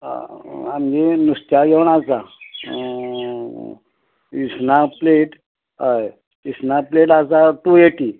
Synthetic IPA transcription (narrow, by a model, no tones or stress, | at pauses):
amd͡ʑenust̪jajɛwɳ̃at͡sa | isnapleʈ | aj | isnapleʈat͡sat̪ujeʈi